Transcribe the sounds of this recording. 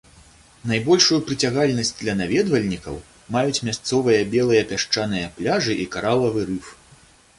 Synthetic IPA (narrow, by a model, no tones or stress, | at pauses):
najbɔlʲʂujupɾɨt͡sʲaɣalʲnɐsʲt͡sʲd̪lʲɐnavʲɛd̪vɐlʲnʲikɐ̰w | majut͡sʲmʲast̪sɔvɨjɐbʲɛlˠɨjɐpʲaʂt͡ʂanɨjɐplʲaʐɨʔikaɾalˠɐvɨɾɨf